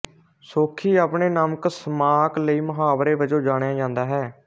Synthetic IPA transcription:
soːkʰiːaːpɳeːnaːməksəmaːkləiːməɦaːʋɾeːʋəd͡ʒõːd͡ʒaːɽ̃jãːd͡ʒãːnd̪aːɦɛː

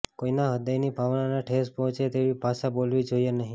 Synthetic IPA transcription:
koinaɦəd̪əjnibʱaʋnanaʈʰespɔɦɔ̃t͡ʃet̪eʋibʱaʃabolʋid͡ʒoienəɦĩ

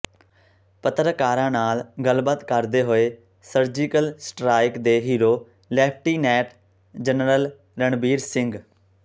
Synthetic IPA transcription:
pət̪ɾəkaːɾãːnaːlɡəlbət̪kəɾd̪eːɦoːeː | səɾd͡ʒiːkəlsʈɾaːɪkd̪eːɦiːɾoː | lɛːp̚ʰʈiːnɛːʈ | d͡ʒənɾəl | ɾəɳbiːɾsɪŋɡ

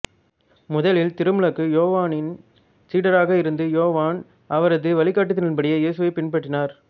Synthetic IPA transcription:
mʊðɐlɪlt̪ɪɾɯmɯɭɐkːɯjoːʋaːnɪn | siːɽɐɾaːɣɐɪɾɯnd̪ɯjoːʋaːn | ɐʋɐɾɐðɯʋɐɭɪkːaːʈːɯt̪̬ːɪnɪnpɐɽɪjɐjeːsɯʋɐɪpɪnpɐʈːɪnaːɾ

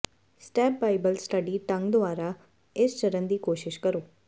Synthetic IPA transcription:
sʈɛːp̚baːɪbəlsʈəɖiːʈə̃ŋɡd̪ʊaːɾa | ɪst͡ʃəɾənd̪iːkoːʃɪʃkəɾoː

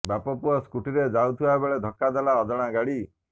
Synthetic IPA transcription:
bapɔpuɔskuʈiɾed͡ʒawt̪ʰiaebeɭed̪ʱɔkːad̪elaɔd̪ɔɽ̃aɡaɽi

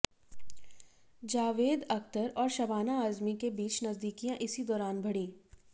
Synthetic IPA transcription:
d͡ʒaːʋeːd̪ɐkt̪əɾɔːɾʃɐbaːnaːzmikebiːt͡ʃnɐzd̪iːkijãʔɪsid̪ɔːɾaːnbʱɐɽĩː

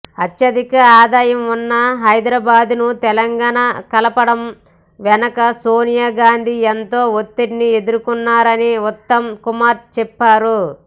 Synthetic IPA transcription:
ɐt̪jɐd̪ikɐaːd̪aːjɐmunːɐɦɐjd̪ɾaːbaːd̪nut̪ɛlɐŋɡaːɳakɐlɐpɐɽɐm | ʋɛnɐkɐsoːnijaːɡaːnd̪ʱient̪o̞ːot̪ːeʈnie̞d̪uɾukunːaːɾɐniut̪ːɐmkumaːɾt͡ʃɛpːaːɾu

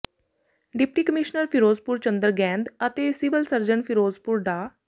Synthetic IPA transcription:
ɖɪp̚ʈiːkəmɪʃnəɾpʰɪɾoːzpʊɾt͡ʃə̃nd̪əɾɡɛ̃ːnd̪ət̪eːsɪbəlsəɾd͡ʒəɳpʰɪɾoːzpuɾɖaː

